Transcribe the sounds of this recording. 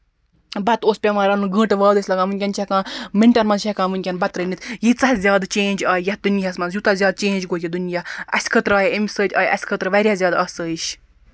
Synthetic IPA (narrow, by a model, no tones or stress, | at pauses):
bɐt̪oːspʲemaːɾɐnuɡə̃ːʈʋaːd̪əsʲlɐɡaːmɨnʲkʲɐnt͡ʃʰɐkãːmeɳʈɐɾmɐ̃nʃʰɐkãːmɨnʲkʲɐnbɐt̪ɾənit̪jit͡sɐhzʲjaːd̪t͡ʃẽːnd͡ʒaːjjɐd̪unjɐsmɐnzjut̪ɐzʲjaːd̪̚t͡ʃẽːnd͡ʒɡoːjʲɐd̪unjaɐsʲkʰət̪ɾaːjimʲsəːtʲa̰ːjɐ̰sʲkʰət̪ɾʋɐɾʲjaːzʲjaːd̪ɐsəːiʃ